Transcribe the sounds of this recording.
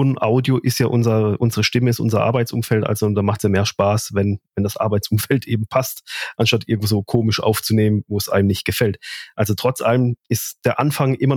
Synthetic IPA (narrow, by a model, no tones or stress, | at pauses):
nʔaʊdjoʔɪstjaːʔʊnzɐʔʊnzəʁəʃtɪməɪstʔʊ̰nzɐʔa̰ɐbaɪt͡sʔʊ̰mfɛltʔa̰lz̥ond̥aːmaχtsjaːmeːɐʃpaːsvɛnvɛndasʔa̰ɐbaɪt͡sʊmfɛltʔeːbm̩pʰastʔanʃtatʔɪɐɡŋ̩v̥oːzoːkʰoːmɪʃʔa̰ʊft͡suneːmənvoːɛsʔa̰ɪnənɪçt̚ɡ̥əfɛltʔalzotʁ̥ɔt͡sʔaləmʔɪstd̥eːɐʔanfaŋʔɪmɐ